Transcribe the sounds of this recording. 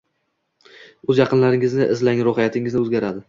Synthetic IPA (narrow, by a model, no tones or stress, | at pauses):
ɵzjɑqʰɨnlaɾɪŋɪznɪʔɪzlaŋɾohijat̪ʰɪŋɪznɪɵzɡʲaɾad̪ɪ